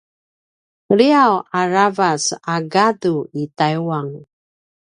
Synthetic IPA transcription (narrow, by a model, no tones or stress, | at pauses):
ɾiawaɾavasaɡaduitajwaŋ